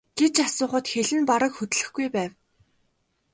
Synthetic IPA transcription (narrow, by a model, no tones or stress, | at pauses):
ɡ̥et͡ɕasʊːχə̆t̪xeɮɘ̆npaɾə̆kxɵt̪̆ɮɘ̆xɡujpæːw